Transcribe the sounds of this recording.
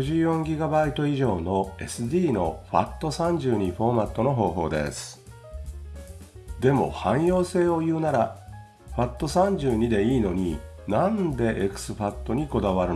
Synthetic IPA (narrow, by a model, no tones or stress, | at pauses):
ɯʑɨːjõ̞ŋɡʲiɡabait̪o̞iʑo̞ːno̞e̞sɨd̪ʲiːno̞̰ɸa̰t̪ːo̞sãɲ̟d͡ʑɨːɲ̟iɸo̞ːmat̪ːo̞no̞ɦo̞ːɦo̞ːd̪ḛsɨ̥ | d̪e̞mo̞̰hãɰ̃jo̞ːse̞ːo̞jɯ̟ːnaɾa | ɸat̪ːo̞sãɲ̟d͡ʑɨːɲ̟id̪e̞iːno̞ɲ̟i | nãnd̪e̞ʔekɯ̟̥sɨɸat̪ːo̞ɲ̟iko̞d̪aβaɾɯ